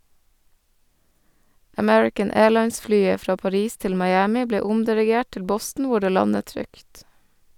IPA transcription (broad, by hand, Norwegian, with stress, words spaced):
əˈmɛɹɪkən ˈeːɭɑɪnsˌflyːə ˈfɾɑː pɑˈɾiːs ˈtɪl mɑɪˈæːmɪ ˈbleː ˈʊmdɪɾɪˌɡeːʈ ˈtɪl ˈbɔstn̩ ˈʋʊ ˈɖeː ˈlɑnət ˈtɾʏkt